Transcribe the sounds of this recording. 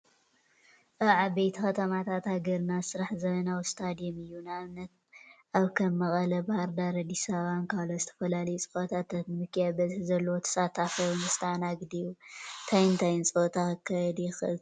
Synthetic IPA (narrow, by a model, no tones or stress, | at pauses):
ʔɐʕabejt̪ʰixɐt̪ʰɐmat̪ʰat̪haɡɐɾnasɨɾaħzɐmɐnawst̪ʰad̪ijomɨjːunamnɐt̪̚ʔaβkʰɐmːɐχʼɐlɐbɐhaɾd̪aɾɐd̪isaβankʰalozɨt̪ʰɐ̥fɐlalɐjut͡sʼɨxʼot̪ʰat̪ːat̪mɨkʰːjabɐziħzɐlːowot̪ʰɐ̥sat̪ʰːafɐnɨst̪ʰaanaɡɨd̪ijut̪ʰajnt̪ʰajɪnt͡sʼot̪ʰaɨkʰːajd̪jɪxɨl